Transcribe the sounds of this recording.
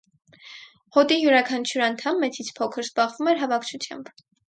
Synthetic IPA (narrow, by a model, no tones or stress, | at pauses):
hɔt̪ijuɾɑkʰɑnt͡ʃʰuɾɑnt̪ʰɑmːɛt͡sʰit͡sʰpʰɔkʰəɾzbɑʁvumɛɾɦɑvɑkʰt͡ʃʰut͡sʰjɑ̰mb